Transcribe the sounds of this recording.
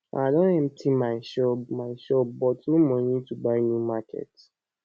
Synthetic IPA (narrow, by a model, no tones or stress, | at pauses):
a̰dɔ̃ɛ̃m̩tʰĩmaɪʃɔmaɪʃɔp̚bɔtumɔ̃jĩtubaɪnjumakʰɛ̰t